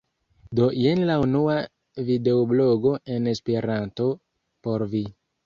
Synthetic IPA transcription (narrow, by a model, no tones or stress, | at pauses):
do̞jenlaunua | vide̞oblo̞ɡo̞ʔe̞ne̞spe̞ɾanto̞ | po̞ɾvi